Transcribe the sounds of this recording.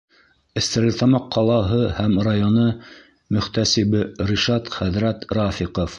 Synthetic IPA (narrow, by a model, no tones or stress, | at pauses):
ɘ̆st̪ɘ̆ɾɘt̪ɑmɑqʰːɑlˠɑɦɤhæmrɑjonɤ | mɵ̆χt̪æsibɘɾiʃɑt̪χæðɾæt̪ɾɑfiqof